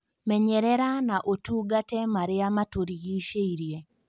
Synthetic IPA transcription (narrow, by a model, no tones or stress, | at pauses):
mɛɲɛɾɛɾanaʔotuːɡatɛmaɾeamatoɾiɣiʃeiɾie